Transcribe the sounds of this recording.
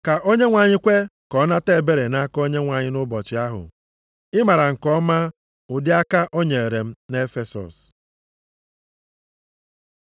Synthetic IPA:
ka˨ʔo˦ɲe˦ŋʷa˨ɲɪ˦kʷe˦kɔ˦na˦te˦˨be˦ɾe˨na˦ko˦ɲe˦ŋʷa˨ɲɪ˦nʊ˦bɔ˨t͡ʃɪ˨˦a˦ɦʊ̰˨ | ɪ˦ma˨ɾa˨ŋ̩˨kɔ˦ma˦ | ʊ˨dɪ˦a˦ka˦ʔo˦ɲe˨e˨ɾe˨m̩˦ne˦fe˨sɔ̰˨s

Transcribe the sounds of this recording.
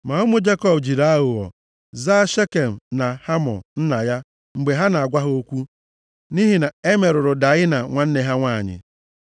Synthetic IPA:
ma˨ʊ˦mʊ˦d͡ʒe˦kɔ˦pd͡ʒi˨ɾa˦ɣʊ˨ɔ̰˨ | za˦ʃe˦ke˨m̩˨na˨ha˦mɔ̰˨n̩˦na˨ja˦ | ŋ͡m̩˨ɡ͡be˨ɦa˦na˨a˨ɡʷa˦ɦo˦kʷu˦ | ni˦ɦi˨na˨e˦me˨ɾʊ˨ɾʊ˨da˨ɣɪ˦na˨ŋʷa˨n̩˦ne˨ɦa˦ŋʷa˦˨ɲɪ̰˨

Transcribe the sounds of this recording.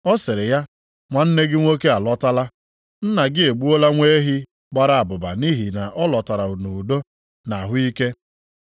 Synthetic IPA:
ɔ˦sɪ˨ɾɪ˨ja˦ | ŋʷa˨n̩˦ne˦ɡɪ˦ŋʷo˦ke˦a˨lɔ˦ta˦la˦ | n̩˦na˨ɡɪ˦e˨ɡ͡bu˦o˦la˦ŋʷe˦ɦɪ˦ | ɡ͡ba˦ɾa˨a˨bʊ˨ba̰˨ni˦ɦi˨na˨ʔɔ˦lɔ˨ta˨ɾa˨u˨nu˨u˨do˦ | na˨ɦʊ˦i˦ke˦

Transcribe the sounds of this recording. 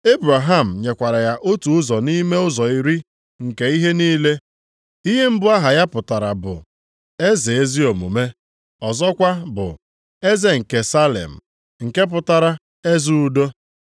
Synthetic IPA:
e˦bɾa˨ɦa˦˨m̩˨ɲe˨kʷa˨ɾa˨ja˦ʔo˦tu˨ʊ˦zɔ˨ni˦me˦ʊ˦zɔ˨i˦ɾi˦ | ŋ̩˨ke˨i˦ɦe˦niː˦le˦ | i˦ɦe˦m̩˦bʊ˦a˦ɦa˨ja˦pʊ˨ta˨ɾa˨bʊ̰˨ | e˦ze˨e˦zi˦o˨mṵ˨me˦ | ɔ˨zɔ˦kʷa˦bʊ̰˨ | e˦ze˦ŋ̩˨ke˨sa˦lḛ˨m̩˨ | ŋ̩˨ke˦p̬ʊ˨ta˨ɾa˦ | e˦zu˦u˦do˦

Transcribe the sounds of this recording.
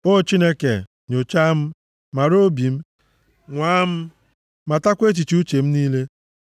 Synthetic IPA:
o˦t͡ʃi˦ne˦ke˨ | ɲo˨t͡ʃa˦m̩˦ | ma˨ɾo˦bi˨m̩˦ | ŋʷaː˨˦m̩˦ | ma˨ta˦kʷe˦t͡ʃi˨t͡ʃi˦u˦t͡ʃe˨m̩˦niː˦le˦

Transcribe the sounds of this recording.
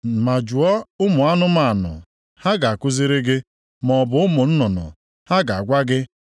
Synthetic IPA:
ma˨d͡ʒu˨ɔ˦ʊ˦mʊ˨a˦nʊ˦ma˨nʊ̰˨ | ha˦ɡa˨a˨kʊ˦zi˦ɾɪ˦ɡɪ˦ | mɔ˨bʊ˨ʊ˦mʊ˨n̩˦nɔ˨nʊ̰˨ | ha˦ɡa˨a˨ɡʷa˦ɡɪ˦

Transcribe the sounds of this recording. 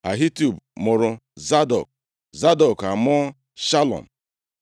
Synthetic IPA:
a̰˨ɦi˦tu˨bmʊ˨ɾʊ˨za˦dɔ̰˨k̚ | za˦dɔ˨ka˨mɔ˦ | ʃa˦lɔ̰˨m̩˨

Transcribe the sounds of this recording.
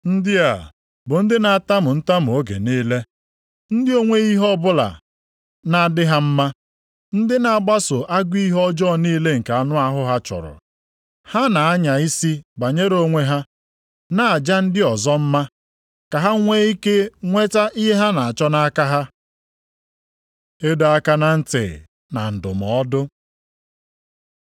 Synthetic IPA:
n̩˦dɪ˦a̰˨ | bʊ˨n̩˦dɪ˦na˨a˦˨ta˦mʊ˨n̩˦ta˦m̩˨o˦ɡḛ˨niː˦le˦ | n̩˦dɪ˦o˦ŋʷe˦i˦ɦɔ˦bʊ˦la̰˨ | na˨a˨dɪ˦ɦa˦m̩˦ma˦ | n̩˦dɪ˦na˨a˦˨ɡ͡ba˦sʊ˨ʔa˦ɡʷi˦i˦ɦɔ˦d͡ʒɔ˦˨niː˦le˦ŋ̩˨ka˨a˨nʊ˦a˦ɦʊ˦ɦa˦t͡ʃɔ̰˨ɾɔ̰˨ | ha˦na˨a˦ɲa˨i˦si˦ɡ͡ba˨ɲe˦ɾo˦ŋʷe˦ɦa˦ | na˨a˨d͡ʒa˦n̩˦dɪ˦ɔ˨zɔ˦m̩˦ma˦ | ka˨ɦa˦ŋʷe˦i˦ke˦ŋʷe˦ta˦ʔi˦ɦe˦ɦa˦na˨a˨t͡ʃɔ˦na˦a˦ka˦ɦa˦ | e˦do˨a˦ka˦na˨n̩˦tḛ˨ | na̰˨n̩˨dʊ̰˨m˨ɔ˦dʊ˦

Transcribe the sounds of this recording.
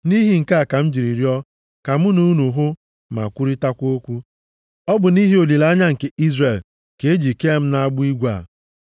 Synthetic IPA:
ni˦ɦi˨ŋ̩˨ka˦a˨ka˨m̩˦d͡ʒi˨ɾi˨ɾi˦ɔ˦ | ka˨m˦u˦nu˨˦nu˨ɦʊ˦ | ma̰˨kʷu˦ɾi˦ta˦kʷo˦kʷu˦ | ɔ˦bʊ˨ni˦ɦi˦o˨li˨la˦ɲa˦ŋ̩˨ke˦i˦zre˨l | ke˨˦e˦d͡ʒi˨ke˦m̩˦na˦a˦ɡ͡bʊ˦i˦ɡʷa˦˨

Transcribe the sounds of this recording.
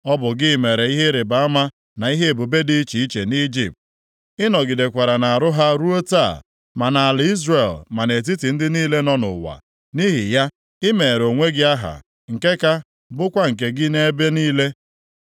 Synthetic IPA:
ɔ˦bʊ˨ɡɪ˦˨me˨ɾe˨i˦ɦe˦ɾɪ˨ba˨˦a˦ma˦ | na˨i˦ɦe˦e˨bu˨be˦di˦t͡ʃi˨i˦t͡ʃe˨ni˦d͡ʒḭ˨p̚t | ɪ˦nɔ˨ɡɪ˨de˨kʷa˨ɾa˨na˨a˨ɾʊ˦ɦa˦ɾu˦o˦ta˦˨ | ma˨na˨a˨lɪ˨i˦zre˨lma˨ne˨t̬i˦ti˨n̩˦dɪ˦niː˦le˦nɔ˦nʊ̰˨wa̰˨ | ni˦ɦɪ˨ja˦ | ɪ˦me˨ɾo˨ŋʷe˦ɡɪ˦a˦ɦa̰˨ | ŋ̩˨ke˦ka˦ | bʊ˦kʷa˦ŋ̩˨k̬e˨ɡɪ˦ne˦e˦be˦niː˦le˦

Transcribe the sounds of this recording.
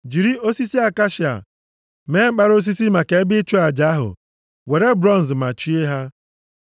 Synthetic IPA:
d͡ʒi˨ɾi˦o˦si˦si˦a˨ka˦ʃi˨a̰˨ | me˦ŋ͡m̩˦k͡pa˦ɾo˦s̬i˦si˦ma˨ke˨e˦bɪ˦t͡ʃu˦a˨d͡ʒa˨˦a˦ɦʊ̰˨ | we˨ɾe˦bɾɔ˦n̩˨zma˨t͡ʃi˦e˦ɦa˦

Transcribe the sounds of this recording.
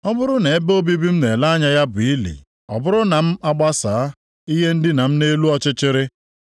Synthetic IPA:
ɔ˦bʊ˦ɾʊ˦ne˨e˦bo˦bi˦bi˦m̩˦ne˨la˦a˦ɲa˦ja˦bʊ˨i˦lḭ˨ | ɔ̰˨bʊ˦ɾʊ˦na˨m̩˦a˦ɡ͡ba˦saː˨˦ | i˦ɦe˦n̩˦dɪ˦na˨m̩˦ne˦lu˦ɔ˦t͡ʃɪ˦t͡ʃɪ˦ɾɪ˦

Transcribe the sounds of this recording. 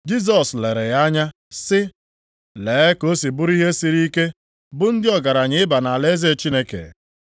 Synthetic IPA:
d͡ʒi˦s̬ɔ˨sle˨ɾe˨ja˦ɲa˦ | sɪ˦ | leː˨˦ko˦si˨bʊ˦ɾi˦ɦe˦si˨ɾi˦ke˦ | bʊ˦n̩˦dɪ˦ɔ˨ɡa˨ɾa˨ɲɪ˦ɪ˦ba˨na˨le˦ze˦˨t͡ʃi˦ne˦kḛ˨

